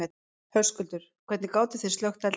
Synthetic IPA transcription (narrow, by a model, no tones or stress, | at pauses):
ɛ | hœr̥skʏlt̪ʏɾ̥kʰvɛt̪nɪkaːwt̪ɪθe̥sœxt̪al